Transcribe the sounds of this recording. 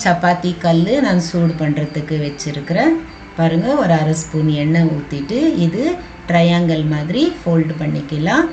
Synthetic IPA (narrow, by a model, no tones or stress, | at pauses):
t͡ʃɐpːaːt̪ikɐlːɯnãːŋsuːɖpɐɳɾɐðɯkːɯʋɛt͡ʃːɪɾɯkːɪɾẽː | paːɾɯŋɡɐɔɾɯɐɾɐspuːnɛɳːɐuːt̪ːɪʈːɯɪðɯ | ʈɾɐjaːŋɡɐɭmaːðɪɾifoːlɖpɐɳːɪkːɪlãː